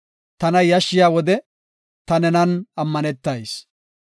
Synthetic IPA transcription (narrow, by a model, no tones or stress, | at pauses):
t̪ɐnɐjɐʃːɪjaːwɔd̪ɛ | t̪ɐnɛnɐnɐmːɐnɛt̪ːɐjs